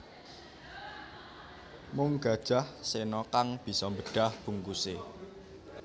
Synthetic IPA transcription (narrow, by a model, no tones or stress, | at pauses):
mʊŋɡ̥a̤d̥ʒ̥a̤hsenɔkaŋb̥i̤sɔmbəɖ̥a̤hb̥ṳŋkuse